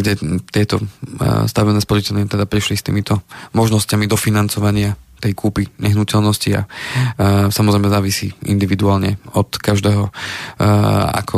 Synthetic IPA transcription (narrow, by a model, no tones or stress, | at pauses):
ɡɟɛt̪ɪɛt̪ɔst̪aʋinɛːspɔɾicɛlnɪat̪ɛd̪apɾiʃlist̪ḭːmit̪ɔmɔʒnɔscamid̪ɔfinant͡sɔʋaɲɪat̪ɛjkʰuːpiɲɛɦnucɛlnɔscia̰ | samɔzɾɛjmɛzaːʋisiʔḭnd̪iʋid̪uaːlɲɛɔt̪kaʒd̪ɛːɦɔ | a̰kʰɔ